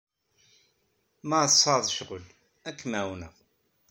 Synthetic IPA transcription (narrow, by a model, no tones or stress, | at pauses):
masˤɑðˤʃʁəl | ækːmæwnə